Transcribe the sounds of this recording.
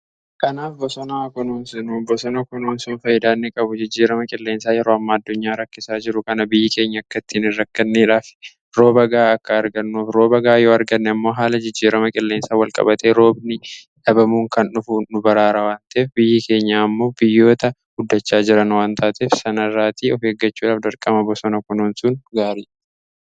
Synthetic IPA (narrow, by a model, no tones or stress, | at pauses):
kɐnaːfbɔsɔnaːkɔnoːnsɪnubɔsɔnɐkɔnoːnsuːnfɐjɪd̪aːnːɪkʼɐbʊd͡ʒɪd͡ʒːiːɾɐmɐkʼɪlːe̞ːnsaːjɛɾoːɐmːaːɐd̪ːʊɲːaːɾɐkːɪsaːd͡ʒɪɾʊkɐnɐbɪjːɪke̞ːɲːɐɐkːɐt̪ːiːnɪrːɐkːɐnːeːᶑaːf | ɾo̞ːbɐɡaːɐkːɐːɾɡɐnːuːfɾo̞ːbɐɡaːjo̞ːɐɾɡɐnːɛɐmːo̞ːɦaːlɐd͡ʒɪd͡ʒːiːɾɐmɐkʼɪlːeːnsaːwɐlkʼɐ̰bɐt̪ʰe̞ːɾo̞ːbnɪ | ᶑɐbɐmuːŋkɐnʊfuːʊbɐɾaːɾɐwaːnt̪ɐeːfbɪjːɪke̞ːɲːaːmːo̞ːbɪjːo̞ːt̪ɐɡʊd̪ːɐt͡ʃːaːd͡ʒɪɾɐnwaːnt̪ʰaːt̪eːfsɐnɐrːaːt̪ʰiːɔfeːɡːɐt͡ʃːuːᶑaːfd̪ɐɾkʼɐmɐbɔsɔnɐkʊnuːnsʊnɡaːɾiː